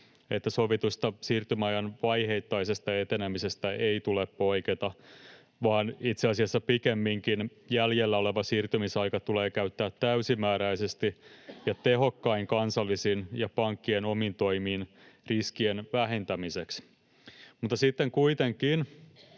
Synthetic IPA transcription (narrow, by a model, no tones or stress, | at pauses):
et̪ːæsoʋit̪ust̪ɑsiːrt̪ymɑjɑnʋɑjhe̞it̪ːɑisest̪ɑet̪enæmisest̪æʔeit̪uleppo̞iket̪ɑ | ʋɑːnit̪seɑsiɑsːɑpikemːiŋkin | jæljelːæo̞leʋɑsiːrt̪ymisɑjkɑt̪uleːkæyt̪ːæːt̪ːæysimæːɾæisest̪ijɑt̪eɦo̞kːɑiŋkɑnsɑlːisinjɑpɑŋkːienomint̪o̞imiːnriskienʋæɦent̪æmiseks | mut̪ːɑsit̪ːeŋkuit̪eŋkiːn